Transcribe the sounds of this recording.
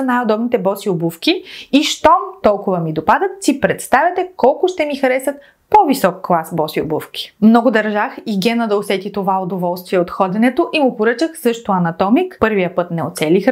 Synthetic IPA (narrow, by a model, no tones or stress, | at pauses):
najod̪ɔbnit̪ɛbɔsiobufkʲiiʃt̪ɔmt̪ɔlˠkʊvɐmid̪opad̪ɐt̪sipɾɛt̪st̪avʲɐt̪ɛkɔlˠkʊʃt̪ɛmixɐɾɛsɐt̪̚ | povisɔkːlˠasbɔsio̰bufkʲi̥mnɔɡʊd̪ɐɾʒaxiɡʲɛnəd̪ɐosɛt̪ʲit̪ovaod̪ovɔlˠst̪viɛot̪xɔd̪ɛnɛt̪oʔimʊpoɾɤt͡ʃəxsɤʃt̪ʊɐnɐt̪ɔmikpɤɾvijəpɤt̪nɛo̰t̪sɛlʲix